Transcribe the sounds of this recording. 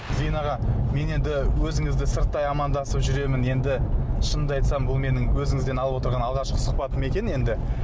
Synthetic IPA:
zijnɑʁɑme̞ne̞nd̪ɪwɵzɪŋɪzd̪ɪsɪɾt̪ːɑjɑmɑnd̪ɑsəpʒʏɾe̞mɪne̞nd̪ɪʃənd̪əɑjt̪sɑmbʊlˠme̞nɪŋwɵzɪŋɪzd̪e̞nɑlˠəpwot̪əɾʁɑnɑlˠʁɑʃqə̥sʊ̥qpɑt̪əme̞kʲe̞ne̞nd̪ɪ

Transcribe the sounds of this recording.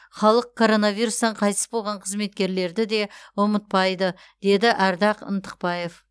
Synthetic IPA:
χɑlˠəq̚kʰːo̞ɾo̞navijɾust̪ɑɴqʰɑjt̪əsbo̞lˠʁɑɴqʰəzme̞t̪̚kʲe̞ɾle̞ɾd̪ɪd̪e̞womət̪̚pɑjd̪ə | d̪̥e̞d̪ɪʔæɾd̪ɑqə̰nt̪ə̥q̚pɑje̞f

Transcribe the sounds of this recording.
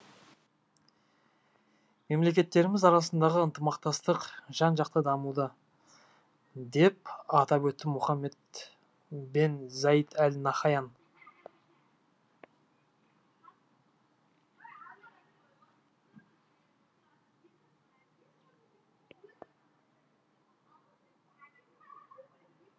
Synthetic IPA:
me̞mle̞k̬ʲe̞t̪ːe̞ɾɪmɪzɑɾɑsənd̪ɑʁəənt̪əmɑqt̪ɑst̪əqʒ̥ɑnʒɑqt̪əd̪ɑmud̪ə | d̪e̞pɑt̪ɑpwɵt̪ːɪmʊχɑmːe̞t̪ | benzɑjət̪ʰælnɑχɑjɑn

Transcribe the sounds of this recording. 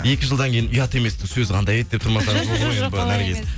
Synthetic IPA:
e̞kʲɪʒəlˠd̪ɑŋkʲe̞jɪnʊjɑt̪e̞me̞sd̪ɪsɵzqʰɑnd̪ɑjet̪̚d̪e̞pt̪ʰʊɾmɑsɑɾəʒoʁəmoeboɑnæɾkʲʰe̞sɪ

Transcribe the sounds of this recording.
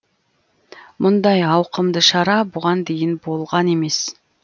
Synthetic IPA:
mʔʊnd̪ɑjɑwqəmd̪əʃɑɾɑbʊʁɑnd̪e̞jɪnbo̞lˠʁɑne̞me̞s

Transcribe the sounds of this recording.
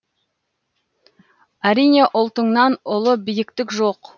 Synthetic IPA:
æɾijne̞ʔʊlˠt̪əɴnɑnʊlˠəbijɪkt̪ɪkʒoq

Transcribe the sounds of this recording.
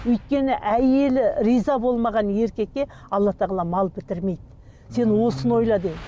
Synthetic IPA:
wɵjt̪̚kʲe̞nɪʔæje̞lɪɾijzɑbo̞lˠmɑʁɑnje̞ɾkʲe̞kʲːe̞ | ɑlˠːɑt̪ʰɑʁlˠɑmɑlˠpʰɪt̪ɪɾme̞jd̪ɪ | se̞nwo̞sənwo̞jlˠɑd̪ej

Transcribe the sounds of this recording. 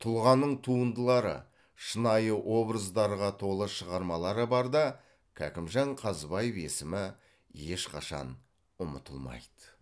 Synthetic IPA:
t̪ʰʊlˠʁɑnːəɴt̪ʰuənd̪əlˠɑɾə̰ | ʃənɑjəʔwʔo̞bɾəzd̪ɑɾʁɑt̪ʰo̞lˠəʃəʁɑɾmɑlˠɑɾəbɑɾd̪ɑ | kʲʰæ̰kʲɪmʒɑɴqʰɑzbɑjəve̞̰sɪmɪ | je̞ʃqʰɑʃɑ̰n | ʊmət̪ʰəlˠmɑ̰jd̪̥ə̥

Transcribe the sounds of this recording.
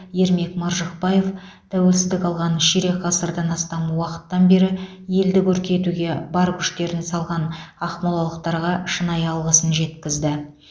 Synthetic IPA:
je̞ɾme̞kmɑɾʒəqpɑje̞f | t̪ʰæwe̞lsɪzd̪ɪkɑlˠʁɑnʃiɾe̞qʰɑsəɾd̪ɑnɑst̪ɑmwɑqə̥t̪ːɑnbe̞ɾɪ | je̞ld̪ɪkʲʰɵɾkʲe̞t̪uɡʲe̞bɑɾkʲʰʏ̥ʃt̪e̞ɾɪnsɑlˠʁɑnɑχmɑlˠɑlˠəqt̪ɑɾʁɑʃənɑjɑlˠʁəsənʒe̞t̪kʲɪzd̪ɪ

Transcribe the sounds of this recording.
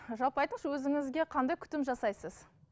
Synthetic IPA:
ʒɑlˠpɑjt̪əɴʃwɵzɪŋɪzɡʲe̞qʰɑnd̪ɑjkʲʰʏ̥t̪ɪmʒɑsɑjsəz̥

